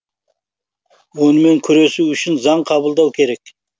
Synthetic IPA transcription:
wo̞nəme̞ŋkʲʰʏɾe̞suʏʃɪnzɑɴqʰɑbəlˠd̪ɑwkʲʰe̞ɾe̞k

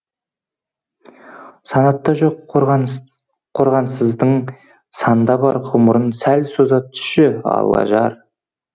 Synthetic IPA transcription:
sɑnɑt̪ːɑʒoq | qʰoɾʁɑnsəzd̪əɴ | sɑnd̪ɑbɑɾqʰʊməɾənsælsozɑt̪ʰʏ̥ʃɪɑ̰lˠɑ̰ʒɑɾ

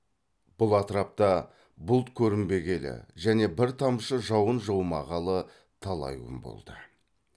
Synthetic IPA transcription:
b̥ʊlˠɑt̪əɾɑp̚t̪ɑ | bʊlˠt̪kʲʰɵɾɪmbe̞ɡʲe̞lɪ̰ʒæne̞bɪɾt̪ʰɑmʃəʒɑwənʒowmɑ̰ʁɑlˠə | t̪ʰɑlˠɑ̰jwə̰mbo̰lˠd̪ə

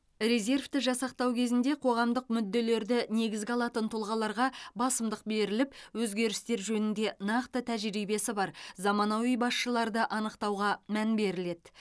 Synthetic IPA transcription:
rʲe̞ze̞rft̪ɪʒɑsɑq̚t̪ɑwkʲʰe̞zɪnd̪e̞qʰo̞ʁɑmd̪əq̚mʏd̪ːe̞le̞ɾd̪ɪne̞ɡʲɪzɡʲɑlˠɑt̪ənt̪ʰʊlˠʁɑlˠɑɾʁɑbɑsəmd̪əq̚be̞ɾɪlɪpwɵzɡʲe̞ɾɪst̪e̞ɾʒɵnɪnd̪e̞nɑqt̪ət̪ʰæʒɾijbe̞sɪbɑɾzɑmɑnɑwijbɑsʃəlˠɑɾd̪əʔɑnəqt̪ɑwʁɑmænbe̞ɾɪle̞d̪

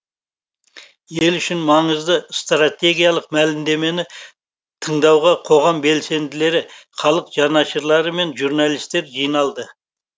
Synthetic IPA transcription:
je̞lʏʃɪnmɑɴəzd̪əst̪rat̪ʲe̞ɡʲijɑlˠəqmælɪmd̪e̞me̞nɪ | t̪ʰəɴd̪ɑwʁɑqʰo̞ʁɑmbe̞lse̞nd̪ɪle̞ɾɪχɑlˠəqʒ̥ɑnɑʃəɾlˠɑɾəme̞nʒuɾnalˠijst̪e̞ɾʒijnɑlˠd̪ə

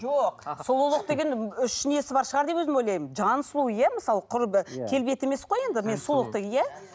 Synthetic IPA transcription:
oqsulˠulˠəq̚t̪e̞ɡʲe̞nʏʃːɪnije̞sɪbɑɾʃəʁɑɾd̪e̞pwɵzɪmojlˠɑjd͡ʒɑnslˠujæməsɑlˠəqʰʊɾbəkʲʰe̞lbet̪e̞me̞sqoje̞nd̪ɪme̞nsulˠəq̚t̪e̞ɡʲenjæ

